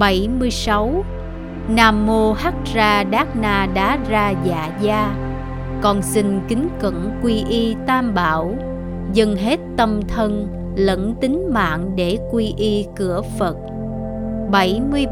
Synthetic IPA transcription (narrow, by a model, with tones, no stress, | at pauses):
ɓə˧˩jmɨ˧əjsa˨˦w | naː˧mːo˧ha˦˥t̚zaː˧ɗaː˦˥k̚naː˧ɗa̰ː˨˧˥zaː˧za̰ː˧˨zaː˧ | kɔ˨˩nsï˧ŋ̟kï˨˦ŋ̟kə̰˧˨nkwi˧ʔi˧t̪aː˧mɓaː˧˩˨w | zə˧ŋɦe˦˥t̚t̪ə˧mt̪ʰə˧n | lə̰˧˥nt̪ï˨˦ŋ̟ma̰ː˧˨ŋɗe˧˩kwi˧ʔi˧kɨ˧˩əfə˨˩t̚ | ɓə˧˩jmɨ˧əj